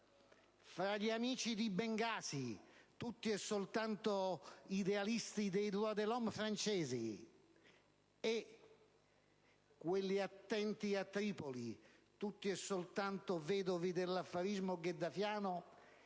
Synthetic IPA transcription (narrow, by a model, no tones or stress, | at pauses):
fɾaʎiamiːt͡ʃid̪ibɛŋɡaːsit̪ut̪ːiɛsːolt̪ant̪oid̪ɛalist̪id̪ejd̪ɾuad̪elɔmfɾant͡ʃɛːzḭ | e | kːwelːiat̪ːɛnt̪iat̪ːɾiːpolit̪ut̪ːiɛsːolt̪ant̪ovɛːd̪ovid̪elːafːaɾizmoɡed̪ːafjaːnʊ